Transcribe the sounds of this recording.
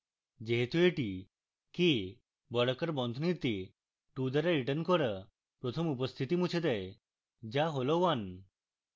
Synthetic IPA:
d͡ʑeɦt̪ueʈi | ki | bəɽkəɾbɔnd̪ʱnit̪i | ʈud̪əɾaɾiʈənkɔɾə | pɾot̪ʰəmupəst̪ʰit̪imut͡ʃʰed̪ɛj | d͡ʑaɦolɔʋan

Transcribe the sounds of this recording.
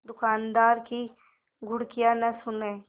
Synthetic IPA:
d̪ʊkaːnd̪aːɾki | ɡʱʊɽkijanɐsʊnẽː

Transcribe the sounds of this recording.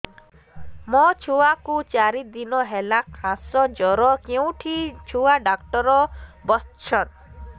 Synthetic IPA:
mɔt͡ʃʰuwakut͡ʃaɾid̪inɔɦɛlakʰãsɔd͡ʒɔɾɔkeũʈʰit͡ʃʰuwaɖakʈɔɾɔbɔst͡ʃʰɔt̪

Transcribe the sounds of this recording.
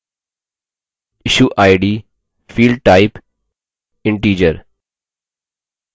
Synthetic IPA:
ɪʃuːʔaːɪɖiː | fiːlɖ̚ʈaːɪp | ɪ̃ɳʈiːd͡ʒəɾ

